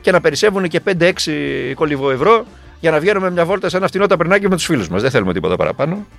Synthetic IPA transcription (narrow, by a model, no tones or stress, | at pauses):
ce̞nɐpe̞ɾise̞vunece̞pe̞nd̪e̞eksiko̞livo̞evɾo̞ | ʝɐnɐvʝe̞nume̞mɲɐvo̞lt̪ɐse̞nɐft̪inoit̪ɐpɾinɐciome̞t̪u̥sfiluzmɐzðeθe̞lume̞t̪ipo̞t̪ɐpɐ̰ɾɐ̰pɐno̞